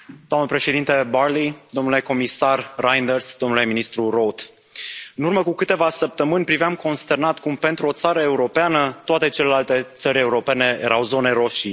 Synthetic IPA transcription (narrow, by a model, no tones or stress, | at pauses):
d̪̥oamnəpɾe̞ʃe̞d̪int̪ebarlid̪o̞mnule̞ko̞misarrajnd̪ersd̪omnule̞minist̪ɾurot̪ | ɨnurməkukɨt̪e̞vasəp̚t̪əmɨnʲpɾiveamko̞nst̪e̞rnat̪kumpe̞nt̪ɾuo̞t̪saɾəe̞uɾo̞peanət̪oat̪e̞t͡ʃe̞le̞lalt̪e̞t̪səɾʲe̞uɾo̞pe̞ne̞jḛɾawzo̞ne̞ɾo̞ʃi